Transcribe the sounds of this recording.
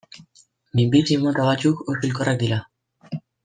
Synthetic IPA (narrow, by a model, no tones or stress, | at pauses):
mimbisimot̪aβat͡ʃukosilkorak̚d̪ila